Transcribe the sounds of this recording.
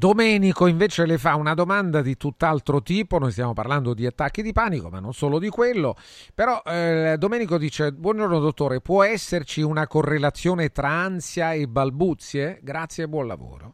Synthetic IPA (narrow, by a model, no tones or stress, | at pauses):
d̪omɛːnikoiɱveːt͡ʃelefaunad̪omand̪ad̪it̪ut̪ːalt̪ɾot̪iːponojst̪jaːmopa̰rland̪od̪iat̪ːakːid̪ipaːnikoma̰nːonsoːlod̪ikwelːo | peɾɔld̪omɛːnikod̪iːt͡ʃebwɔnd͡ʒornod̪ot̪ːoːɾepwɔɛsːert͡ʃiunakorːelat̪sːjoːnet̪ɾaansjaebalbut̪sːjeɡɾat̪sːjeabːwɔnla̰vo̰ːɾo̰